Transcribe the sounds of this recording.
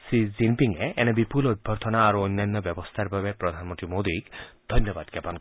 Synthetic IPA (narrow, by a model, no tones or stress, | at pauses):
sizimpiŋeɛnɛebipulod̪̚bʱɔɾt̪ʰɔnaːɾuɔjnːajnːɔbɛbɔst̪ʰaɾbabepɾɔd̪ʱanmɔnt̪ɾimod̪ikd̪̥ʱɔjnːɔba̰d̪̚kɛpank